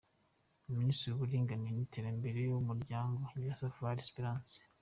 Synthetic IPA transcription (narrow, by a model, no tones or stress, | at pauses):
uministiɾuβuɾiːŋɡaniniteɾambe̞ɾejumuɾɟaːŋɡoɲiβasavuβaɾespiɾaːnse̥